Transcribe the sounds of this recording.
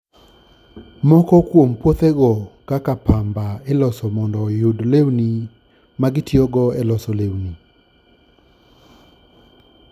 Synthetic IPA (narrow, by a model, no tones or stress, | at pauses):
mɔkɔkwompwot̪eɡɔkakapambaelɔsɔmɔndɔjudlewni | maɡɪtiɔɡɔɛlɔsɔlewni